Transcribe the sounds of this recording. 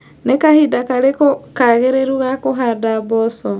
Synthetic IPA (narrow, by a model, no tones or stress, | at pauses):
nekahidakaɾekokaɣeɾeɾuɣakoɦadaβɔsɔ